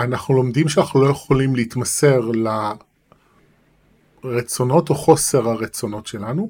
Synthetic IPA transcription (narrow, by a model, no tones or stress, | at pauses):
anaχnulo̞md̪imʃeanaχnulo̞jeχolimleit̪mase̞ʁla | ʁet͡so̞no̞to̞χo̞se̞ʁhaʁet͡so̞no̞tʃe̞lanu